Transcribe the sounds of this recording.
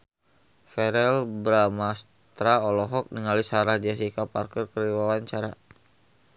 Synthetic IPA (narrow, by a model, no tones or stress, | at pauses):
fɛɾɛlbɾamas | t̪ɾaɔlɔɦɔk̚niŋalisaɾahd͡ʒas̬ikaparkərkəɾiwawaɲt͡ʃaɾa